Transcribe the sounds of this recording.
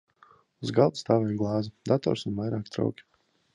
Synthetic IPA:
uzɡalˠd̪st̪aːvɛːjɡlˠɑːzid̪at̪ɔ̰ːɾsunvajɾaːkt̪ɾa̰wkʲi̥

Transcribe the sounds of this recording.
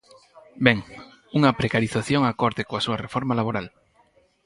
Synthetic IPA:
bɛŋ | uŋɐpɾekaɾiθaθjoŋakɔɾðɪkoasuɐrefɔɾmalaβoɾal

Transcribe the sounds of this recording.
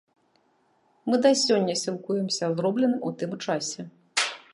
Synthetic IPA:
mɨd̪ɐsʲɔnʲːɐsʲilˠkujɛmsʲɐzɾɔblʲɛnɨmut̪ɨmt͡ʂasʲɛ

